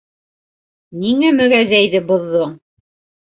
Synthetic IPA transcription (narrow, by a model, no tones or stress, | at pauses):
niŋæmɵ̆ɣæðæjðɘbŏðːoɴ